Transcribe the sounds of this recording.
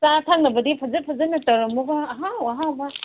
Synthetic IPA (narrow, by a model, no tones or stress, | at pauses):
satʰaŋnɐbɐdipʰɐzɐpʰɐzɐnɐtɐɾɐmuɡɐːɦawaɦaba